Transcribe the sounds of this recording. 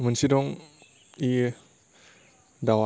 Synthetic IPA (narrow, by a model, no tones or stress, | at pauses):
mənsidɔŋ | i | dawa